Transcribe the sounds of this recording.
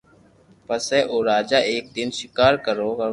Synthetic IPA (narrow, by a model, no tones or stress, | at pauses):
pəsɛːʔoːɾaːd͡ʒaːʔeːk̚d̪ɪnʃɪkaːɾkəɾoːʋə